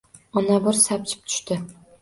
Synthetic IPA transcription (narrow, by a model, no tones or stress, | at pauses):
ɒnabʊɾsap̚t͡ʃʰɪ̥p̚t̪ʰʊ̥ʃt̪ɪ